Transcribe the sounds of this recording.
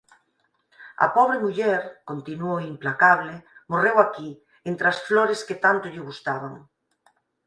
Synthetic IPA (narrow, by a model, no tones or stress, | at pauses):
ɐ̰pɔβ̞ɾemuʎɛɾkont̪inuoimplakaβlɪmorewaki | ent̪ɾasfloɾesket̪ant̪ʊʎɪɣust̪aβaŋ